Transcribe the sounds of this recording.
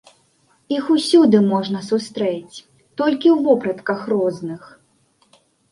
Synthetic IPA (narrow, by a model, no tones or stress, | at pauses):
ixusʲud̪ɨmɔʐnɐsust̪ɾɛt͡sʲ | t̪ɔlʲkʲiwvɔpɾɐt̪kɐxrɔznɨx